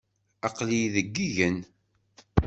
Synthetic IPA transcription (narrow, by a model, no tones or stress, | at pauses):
ɑqlijðəɡːiʝən